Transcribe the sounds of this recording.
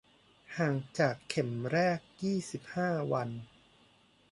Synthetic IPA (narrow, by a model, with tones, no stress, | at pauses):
haː˨˩ŋt͡ɕaː˨˩kʰːe˨˩˦mɾɛː˥˩k̚jiː˥˩si˨˩p̚haː˥˩wa˧n